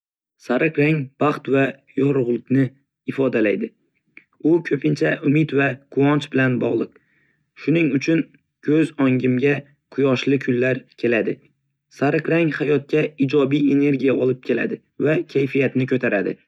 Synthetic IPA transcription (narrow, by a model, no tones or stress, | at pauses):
saɾɨqɾaŋb̥ɑχt̪vajɒɾʊʁlˠɪkʲnɪ | ɪfɒd̪alajd̪ɪ | ʊkʲʰɵpʰɪnt͡ʃʰaʔʊmɪt̪vakʰʊɒnt͡ʃbɪlanbɒʁlˠɨq̚ | ʃʊnɪŋʊt͡ʃʰʊn | kʲʰɵzɒŋɡʲɪmɡʲa | qʰʊjɒʃlɪkʲʰʊlːaɾkʲʰe̞lad̪ɪ | saɾɨqɾaŋhajɒt̪̚kʲaɪd͡ʒɒbije̞ne̞ɾɡʲijaɒlˠɪp̚kʲʰe̞la̰d̪ɪ | vakʲʰajfijat̪nɪkʰɵt̪ʰaɾad̪ɪ̰